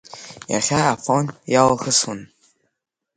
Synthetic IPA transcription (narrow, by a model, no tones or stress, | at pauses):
ja̰χʲaːfonjalaxəsun